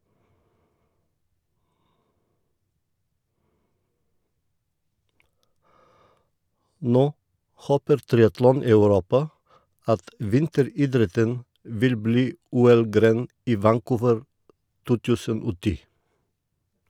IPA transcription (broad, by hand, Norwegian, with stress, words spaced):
ˈnoː ˈhoːpəɾ ˈtɾɪɑtlɔn ɑʉˈɾuːpɑ ˈɑt ˈʋɪntəɾiːˌdɾɛtən ˈʋɪl ˈbliː ˈuːɛl ˈɡɾeːn ˈiː ʋæŋˈkuːʋəɹ ˈtuː ˈtʉːsən ˈoː ˈtiː